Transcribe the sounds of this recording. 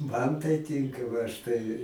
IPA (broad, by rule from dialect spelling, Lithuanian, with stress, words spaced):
mɐn tɐɪ ˈtʲɪŋkɐ ʋɐ ɐʃ ˈtɐɪ